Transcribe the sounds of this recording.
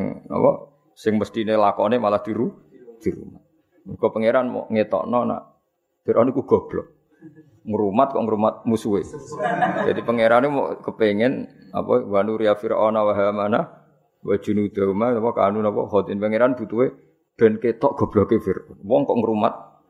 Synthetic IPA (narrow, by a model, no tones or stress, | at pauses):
ŋnɔ̰pɔ̰ | sɪŋməst̪inelakɔnemalahd̪̥i̤ɾu | d̪̥i̤ɾṵmat̪̚ | uɡ̥ɔpəŋeɾanmɔ̰ʔŋet̪ɔ̰ʔnɔna̰ʔ | fiɾʔɔnukuɡ̥ɔ̤b̥lɔ | ŋəɾumat̪̚kɔ̰ʔŋəɾumat̪̚musuwe | d͡ʒad̪ipəŋeɾanewɔ̰ʔkəpeŋɛna̰pɔwanuɾiafiɾʔɔnawaɦamana | wḁʒ̥ṳnud̪̥aumanɔpɔka̰nunɔpɔ̰ɦɔt̪inpəŋeɾand̥̪ut̪uwe | b̪̥ɛ̤nket̪ɔʔɡ̥ɔ̤b̥lɔkefɪrwɔŋkɔʔŋəɾumat̪̚